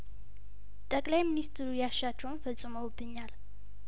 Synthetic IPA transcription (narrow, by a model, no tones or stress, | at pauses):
t̪ʼəkʼlajmɨnist̪ʰɾujaʃat͡ʃːɛwnfəsʼɨməwbːɨɲːal